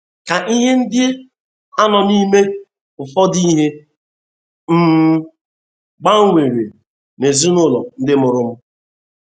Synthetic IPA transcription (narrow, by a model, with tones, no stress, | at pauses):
ka˨ʔi˦ɦe˦n̩˦dɪ˦ | a˦nɔ˨ni˦me˦ | ʊ˨fɔ˦di˦ɦe˦ | m̩˦ | ɡ͡ba˦ŋ̩˦ŋʷe˨ɾḛ˨ | ne˨zu˦nʊ˦˨lɔ̰˨n̩˦dɪ˦mʊ˨ɾʊ˦m̩˦